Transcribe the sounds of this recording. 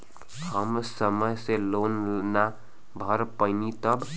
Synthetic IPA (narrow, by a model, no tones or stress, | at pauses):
həmsəməjselonna | bʱəɾpəɪnit̪əb